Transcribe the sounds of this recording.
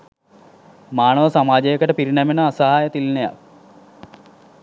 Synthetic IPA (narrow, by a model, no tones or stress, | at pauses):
maːɳɐʋɐsɐmaːd͡ʑɐjɐkːɐʈəpiɾinɐmenɐasɐɦaːjɐt̪ilneja̰k